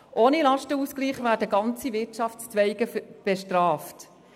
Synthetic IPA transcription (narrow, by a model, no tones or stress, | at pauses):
ʔoːnilɑʃtəuːskliːχvæːɾdəɡɑnt͡sivɪtt͡ʃɑftst͡sʋɛɪɡəb̥eʃtrɑːft